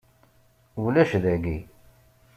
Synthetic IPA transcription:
ulæʃðæɡi

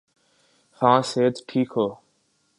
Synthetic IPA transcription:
hãːseːd̪ʈʰiːkɦoː

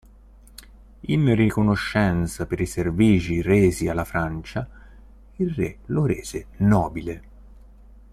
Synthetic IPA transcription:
inrikonoʃːɛnt̪sapeɾiserviːd͡ʒireːzialːafɾant͡ʃa | ilrḛloɾeːz̥enɔːbile

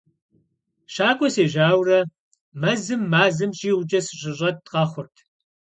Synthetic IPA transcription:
ʃaːkʷʼɔseːʑaːwrɐ | mɐzɨmːaːzɨmɕʼiːwt͡ʃʼɐsɨɕʼɪɕʷʼɐt̚tqɑːχʷʊrtʰ

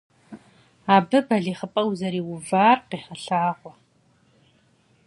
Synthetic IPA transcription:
abɨbɐɮiːχəpʼɐwzɐɾiːwʊvaːrqiħaɬaːʁʷɔ

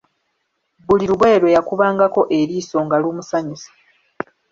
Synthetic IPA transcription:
buliɾuβweːɾwejakuβaːŋɡako̞ʔe̞ɾiːso̞ːŋɡaluːmusaɲusḁ

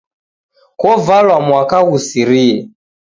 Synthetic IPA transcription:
kɔvalwamwakaɣusiɾiɛ

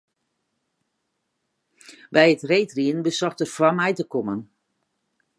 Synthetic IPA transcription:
bɛjətrejtriənbəsɔxtərfwamɛjtəkɔmən

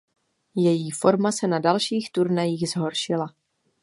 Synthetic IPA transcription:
jɛjiːfo̞ɾmasɛnadalʃiːxt̪uɾnajiːxzɦo̞ɾʃɪla

